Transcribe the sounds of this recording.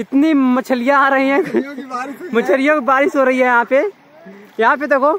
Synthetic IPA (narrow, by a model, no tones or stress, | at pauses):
ɪt̪nimɐt͡ʃʰəlɪjãaːɾɐɦiɦɛ̃ː | mɐt͡ʃʰəlɪjõkbaːɾɪsɦoɾɐɦiɦɛjɐɦãpe | jɐɦãp̬et̪oko